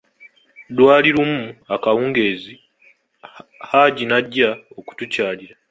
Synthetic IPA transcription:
dwaːliɾumuakawuːŋɡe̞ːzi | haːɟinaɟːaoku̥tucaːliɾa

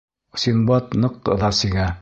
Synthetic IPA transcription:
sʲinbɑt̪nɤqɤ̰ðɑsiɡæ

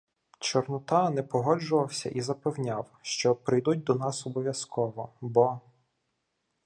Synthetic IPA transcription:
t͡ʃɔrnʊt̪ɑnɛpɔɦɔd͡ʒʊʋɐwsʲɐ̰ʔizɐpewnʲawʃt͡ʃɔpɾɪjd̪ut̚ʲd̪ɔnɑsɔbɔʋʲjɐskɔʋɔbɔ

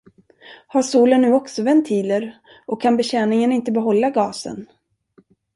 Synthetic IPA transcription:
haʂuːlənːʉ̟ːɔksɔvɛnt̪ʰiːləɾ | ɔkʰːanbɛɕɛːnɪŋənɪnt̪əbɛɦɔlːaɡɑːsə̰n

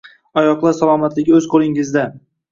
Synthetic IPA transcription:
ɒjɒqlˠaɾsalˠɒmat̪lɪɡʲɪɵzqʰolˠɪŋɪzd̪a

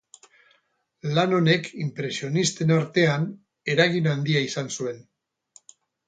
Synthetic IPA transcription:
lano̞ne̞kʰimpɾe̞sio̞nist̪e̞naɾt̪e̞an | e̞ɾaɣinand̪iaisansue̞n

